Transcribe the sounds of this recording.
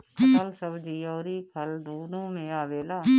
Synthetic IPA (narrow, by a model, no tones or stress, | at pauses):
kʰəlsəbd͡ʒiːɔːɾiːkʰəld̪oːnõːmẽaːʋeːlaː